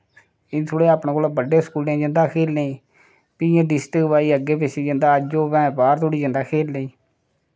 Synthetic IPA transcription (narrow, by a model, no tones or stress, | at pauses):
ɪt̪ʰoːɽeːaːpɳẽːkoːlabəɖeːskuːlẽːd͡ʒənd̪aːkʰeːlnẽː | pɪjãːɖɪsʈəkʋaːiːəɡːeːpesiːd͡ʒənd̪aːəd͡ʒoːʋɛ̃ːbaːɾt̪ʰoːɽiːd͡ʒə̃nd̪aːkʰeːlːeĩː